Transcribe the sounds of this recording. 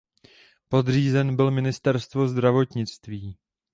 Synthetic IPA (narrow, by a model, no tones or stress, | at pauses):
po̞d̪r̝iːzɛnbɪlmɪnɪst̪ɛɾst̪vo̞zd̪ɾavo̞t̪ɲɪt͡st̪viː